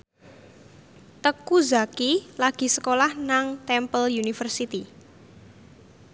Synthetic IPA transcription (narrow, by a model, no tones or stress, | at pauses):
t̪əkuzakilaɡ̥i̤səkolahnaŋt̪ɛmpəljunifərsit̪i